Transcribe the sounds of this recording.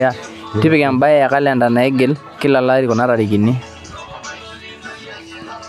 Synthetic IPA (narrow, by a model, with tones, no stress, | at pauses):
a˦ti˦pɪ˦ka˨mba˦jɛ˦a˨ka˦la˨nda˨na˨ɛ˦ɡɛ˨˦l | ki˦la˨la˦ɾi˨kɔ˨na˦ɾa˨ɾi˨ki˨ni˦